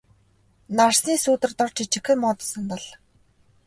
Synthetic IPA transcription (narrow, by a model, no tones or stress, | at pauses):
narsniːsuːt̪ɘ̆rt̪ɔrt͡ɕʰit͡ɕɪ̆xɘ̆mɔːt̪ɞ̥̆sə̆nt̪ɔ̆ɮ